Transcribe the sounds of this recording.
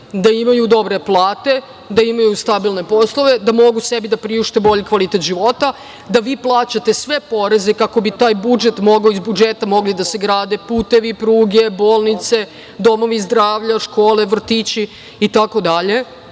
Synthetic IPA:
d̪aimajud̪o̞bɾe̞plˠaːt̪e̞ | d̪aimajust̪abilˠne̞po̞slˠo̞ʋe̞d̪amo̞ɡusebid̪apɾiuʃt̪ebo̞ʎikʋalit̪et̪ʒiʋo̞t̪a | d̪aʋiːplˠaːt͡ɕat̪e̞sʋe̞po̞ɾe̞zekako̞bit̪aːjbud͡ʒet̪mo̞ɡaoizbud͡ʒet̪amo̞ɡlid̪ase̞ɡɾaːd̪e̞puːt̪e̞ʋipɾuːɡe̞bo̞ːlˠnit̪se̞ | d̪o̞mo̞ʋizd̪ɾaːʋʎaʃko̞ːle̞ʋr̩t̪it͡ɕi | it̪ako̞d̪aʎe̞

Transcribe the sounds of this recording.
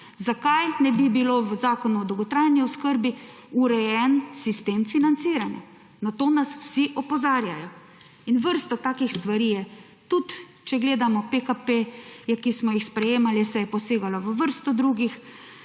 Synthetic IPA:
zakajnɛbibiloːʋəzaːkɔnuɔd̪ɔwɡɔt̪ɾajniɔskəɾbi | uɾɛjɛnsist̪eːmfinant̪siːɾanja̰ | nat̪oːnasw̥siʔɔpɔzaːɾjajɔ | inʋəɾst̪ɔt̪aːkixst̪ʋaɾiːjɛ | t̪ut̪ | t͡ʃɛɡleːd̪amɔpekapejɛkismɔjixspɾɛjeːmalisɛjɛpɔseːɡalɔʋəʋəɾst̪ɔd̪ɾuɡix

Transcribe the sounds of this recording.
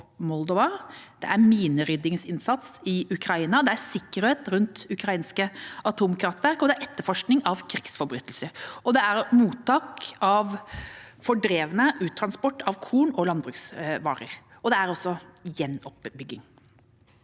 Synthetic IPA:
mɔld̪ɔʋɑd̪̥ɛ̰ʔæɾmiːnəɾʏd̪ɪŋsɪnsɑt̪sɪʉkʰɾɑiːnɑd̪ɛæɾsɪkːəɾheːt̪ɾʉnt̪ʉkɾɑiːnskəɑt̪ʰuːmkʰɾɑft̪ʋæɾkɔd̪ɛæɾɛt̪ːəɾfɔʂknɪŋɑʋkʰɾɪksfɔɾbɾyːt̪lsəɾɔd̪ɛæɾmuːt̪ʰːɑːkɑʋfɔɖɾeːʋənəʔʉːt̪ʰɾɑnspɔʈːɑʋkʰuːnɔlɑnd̪bɾʉːksʋɑ̰ːɾə̰ɾ | ɔd̪ɛæɾɔsːɔjɛnːɔpbʏɡɪŋ

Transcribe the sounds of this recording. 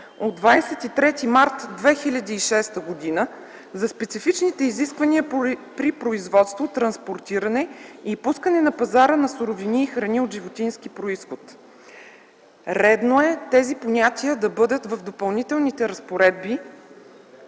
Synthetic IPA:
od̪vajsɛt̪it̪ɾɛt̪imaɾt̪d̪vɛxilʲɐd̪iːʃɛst̪əɡod̪inə | zɐspɛt̪sifit͡ʃnit̪ɛiziskvɐniəpɾipɾoizvɔt̪st̪vot̪ɾɐnspoɾt̪iɾɐnɛipuskənɛnɐpɐzaɾənɐsuɾoviniːxɾɐniod̪ʒivot̪inskipɾoisxot̪ | ɾɛd̪noɛt̪ɛziponʲat̪ʲiəd̪ɐbɤd̪ət̪vɐvd̪opɐlˠnit̪ɛlˠnit̪ɛɾɐspoɾɛd̪̚bi

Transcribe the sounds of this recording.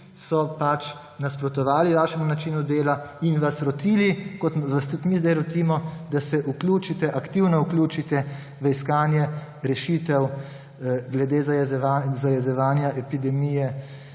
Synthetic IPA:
sɔpat͡ʃ | naspɾɔt̪ɔʋaːliʋaːʃɛmunat͡ʃiːnud̪eːlainʋasɾɔt̪iːlikɔt̪ʋast̪ut̪mizd̪ajɾɔt̪iːmɔd̪asɛʔukluːt͡ʃit̪ɛʔakt̪iwnɔuklʲuːt͡ʃit̪ɛ | ʋəiskaːnjɛ | ɾɛʃit̪ɛw | ɡlɛd̪eːzazajɛzɛʋaːnjaʔɛpid̪ɛmijɛ

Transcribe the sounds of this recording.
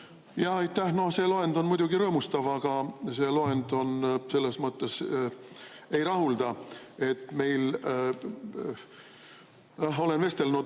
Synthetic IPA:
jɑhɑjt̪ːˑæhno̞hse̞ːloe̞nd̪o̞nmujd̪uɡiɾɤːmust̪ɑvɑɡ̥ɑse̞loe̞nd̪o̞nse̞lːesmɤt̪ːe̞s | e̞jɾɑɦuld̪̥ɑe̞t̪ːˑme̞jl | ɑɦo̞le̞nve̞st̪elnu

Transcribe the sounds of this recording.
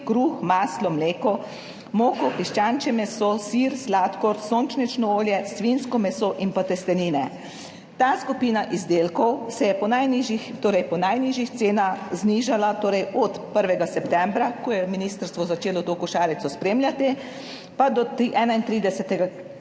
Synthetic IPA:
kɾuːxmaːslɔmleːkɔ | moːkɔpiʃt͡ʃaːnt͡ʃɛmɛsosiɾslaːt̪kɔɾsoːnt͡ʃnit͡ʃnɔoːljɛsʋinskɔmɛsoʔinpat̪ɛst̪ɛniːnɛ | t̪aːskupiːnaʔizd̪elkɔwsɛjɛpɔnajniʒixt̪oːɾɛjpɔnajniːʒjixt̪seːnaxzniʒalat̪oːɾɛjʔɔt̪pəɾʋɛɡasɛpt̪ɛ̃mbɾakɔjɛminiːst̪əɾst̪ʋɔzat͡ʃeːlɔt̪okuʃaːɾit̪sɔspɾeːmljat̪i | pad̪ɔt̪iʔɛːnaint̪ɾiːd̪ɛsɛt̪ɛɡa

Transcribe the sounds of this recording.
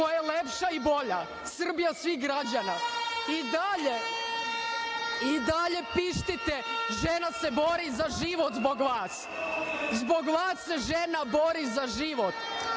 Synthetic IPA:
ojjelepʃaibo̞ʎa | sr̩bijasʋiɣɡɾad͡ʑanaid̪aʎe | id̪aʎe̞piʃt̪it̪eʒenase̞bo̞ɾizaʒiʋot̪zboɡʋaːs | zboɡʋaːsːe̞ʒenabo̞ɾizaʒiʋot̪

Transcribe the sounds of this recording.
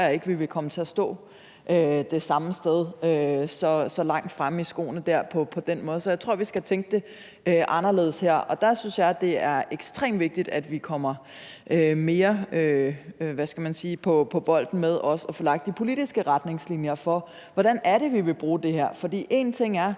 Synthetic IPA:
je̝ɡ̥ʋiʋe̝kʰɒ̽mət͡sʰe̝æɐsd̥ɔ̰̽ː | ʔød̥e̝sɑ̈məsd̥eð̞ˠøsɒ̽sɒ̽lɑ̈ŋ̰d̥fʁamisɡ̥o̝̰ːn̩d̥æɐ̰pʰɒ̽pʰɒ̽d̥enmɔ̽ːð̞̩ˠsɒjäɪt͡sʰʁo̝ɐ̰ʋisɡ̥æt͡sʰeŋɡ̥əd̥e̝ | øʔɑ̈nɐle̝ð̞̩ˠsheɐ̰ɒ̽d̥ɑ̈synsjɑ̈ɪd̥e̝æɐeɡ̥sd̥ʁḛːmʋe̝ɡ̥̚d̥id̥æd̥ʋikʰɒ̽m̰ɐ | ʔøme̝ːɐøʋæsɡ̥æmænsiːpʰɒ̽pʰɒ̽ʋ̥ɒ̽l̰d̥n̩með̞ˠɒ̽sɒ̽fɔːlɑ̈ɡ̥̚d̥ipʰo̝lid̥isɡ̥əʁad̥ne̝ŋslinjɐfɒ̽ | ʋɒɾ̥ænæɐɾe̝ʋiʋe̝b̥ʁuːd̥e̝ɦheɐ̰fɒ̽d̥ḭːʔe̝nt͡sʰe̝ŋ̰æɐ

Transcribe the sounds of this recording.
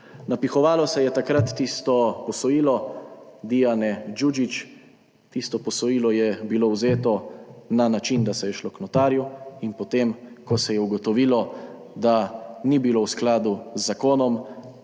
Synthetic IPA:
napixɔʋaːlɔsɛjɛt̪akɾat̪ːiːst̪ɔpɔsɔjiːlɔd̪ijanɛd͡ʒud͡ʒit͡ʃ | t̪iːst̪ɔpɔsɔjiːlɔjɛbilowzeːt̪ɔnanat͡ʃind̪asɛjɛʃloknɔt̪aːɾjuinpɔt̪emkɔsɛjɛuɡɔt̪ɔʋiːlɔ | d̪anibiloːwsklaːd̪uzːakoːnɔm

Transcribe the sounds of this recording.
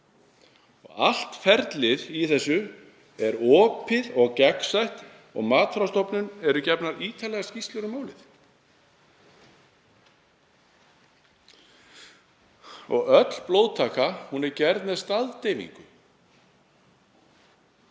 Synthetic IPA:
ɔ̰ɣa̰l̥t̪fɛɾt̪lɪðiθɛsːʏ | ɛɾɔːpʰɪðɔɣcɛksajht̪ | ɔ̰ɣmaːt̪fɾawst̪ɔpnʏnɛɾʏcɛpnaɾiːt̪ʰalɛɣascist̪lʏɾʏmaːwlɪθ | ɔ̰ɣœt̪l̥ploːwt̪ʰaːkahunɛɾcɛɾt̪nɛðst̪aðt̪ejvḭŋkʏ

